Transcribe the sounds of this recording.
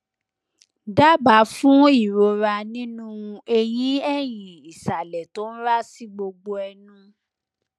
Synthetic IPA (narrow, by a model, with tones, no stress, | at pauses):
da˦ba˨˦fũ˦i˦˨ɾo˧ɾa˧nĩ˦nũ˦˧e˧j̃ĩ˦ɛ˦˨j̃ĩ˨i˨sa˨lɛ˨to˨˦n̩˦ɾa˦si˦ɡ͡bo˧ɡ͡bo˧ɛ˧nũ˦